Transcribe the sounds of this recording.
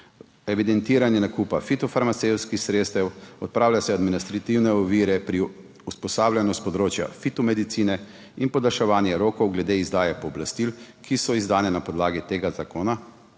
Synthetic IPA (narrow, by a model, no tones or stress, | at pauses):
ɛʋid̪ɛnt̪iːɾanjɛnakupafit̪ɔfaɾmat̪sewt̪skixsɾeːt̪st̪ɛwɔt̪̚pɾaːwlʲjasɛad̪minist̪ɾat̪iwnɛɔʋiːɾɛpɾi | uspɔsaːbljanɔst̪̚pɔd̪ɾoːt͡ʃja̰fit̪ɔmɛd̪it̪siːnɛ | inpɔd̪alʃɛʋaːnjɛɾoːkɔwɡlɛd̪eizd̪aːjɛpɔːblast̪ilkʰisɔizd̪aːnɛnapɔd̪laːɡit̪eːɡazakoːna